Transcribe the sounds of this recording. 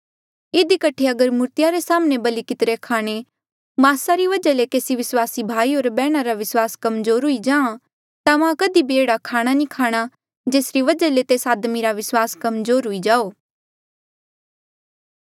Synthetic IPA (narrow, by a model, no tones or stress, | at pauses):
ɪd̪ikəʈʰeɐɡəɾmʊɾt̪ɪjaɾesaːmnebɐlikɪt̪ɾekʰaːɽ̃e | maːsaɾiʋɐd͡ʒalekeːsiʋɪswaːsibʱaːiɦoːɾbɛːɽ̃aɾaʋɪswaːskɐmzoːɾɦʊid͡ʒãːã | t̪ãʋãkəd̪ibʱieːɽakʰaːɽ̃anĩkʰaːɽ̃a | d͡ʒeːsɾiʋɐd͡ʒalet̪eːsaːd̪miɾaʋɪswaːskɐmzoːɾɦʊid͡ʒaːoː